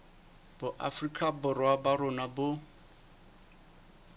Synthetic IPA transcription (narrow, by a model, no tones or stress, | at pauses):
bʊʔa̰frikʼabʊɾwabaɾʊnabʊ